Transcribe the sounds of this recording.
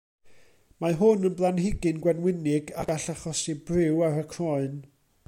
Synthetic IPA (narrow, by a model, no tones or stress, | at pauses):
maɦʊnənblˠanɦɪɡɨnɡwɛnwɪnɪɡaɡaɬaχɔsibrɪwarəkʰrɔɨn